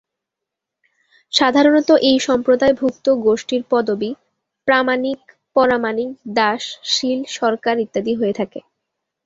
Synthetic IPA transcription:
ʃad̪ʱaɾonɔt̪oʔejʃɔmpɾod̪aebʱukt̪oɡoʃʈiɾpɔd̪obi | pɾamanik | pɔɾamanikd̪aʃʃilʃɔɾkaɾit̪ːad̪iɦojet̪ʰake

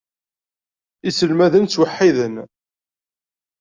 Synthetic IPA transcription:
isəlmæðənt͡sːwəħːiðən

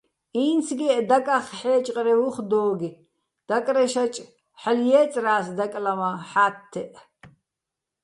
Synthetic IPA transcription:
iːnsʰɡiʔd̪akʼaχħɛːt͡ʃʼqʼɾɛvuχd̪ɔːɡi | d̪̥akʼɾɛʃat͡ʃʼ | ħaljɛːt͡sʼraːsd̪akʼlamaħaːt̪ʰːɛʔ

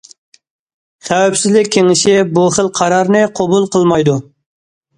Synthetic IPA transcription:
sɛwɛpsɪzlɪkʲʰːeŋɪʃɪbuχəlˠqʰɑɾɑɾnɨqʰobulˠqʰəlˠmɑjd̪u

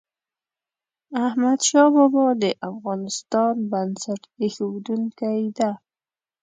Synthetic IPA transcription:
ahmad̪ʃɑbɔbɑd̪əʔafɣɑnɪst̪ɑnbansaʈexuwd̪uŋkajd̪a

